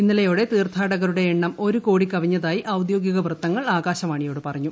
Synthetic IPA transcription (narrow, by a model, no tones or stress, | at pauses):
inːilɐjo̞ːɽe̞t̪iːrt̪ʰaːɽɐɣɐɾuɽe̞ːɳːɐmo̞ɾuko̞ːɽikːɐʋiɲːɐðaːjiʔɐwd̪jo̞ːɡiɣɐʋrɨt̪ːɐŋːɐɭaːɣaːɕɐmaːɳijo̞ːɽɨpɐrɐɲːu